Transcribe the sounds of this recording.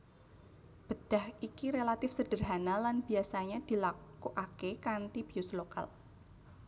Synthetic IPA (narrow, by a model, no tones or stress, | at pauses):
b̥əd̪̥a̤hikiɾelat̪ɪfsəd̥ərɦanalanb̥iasaɲad̪̥ilakuʔakekant̪ib̥iʊsloka̰l